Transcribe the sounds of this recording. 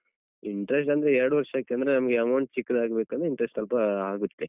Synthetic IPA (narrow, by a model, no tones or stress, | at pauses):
iɳʈɾes̬ʈɐnd̪ɐɾeɛɾɐɽuʋɐɾʂaːkːeɐnd̪ɐɾenɐmɐɡeɐmɐwɳʈ̚t͡ʃikːɐd̪aːɡbeːkɐnɾiɳʈɾesʈɐlpɐaːɡut̪ːe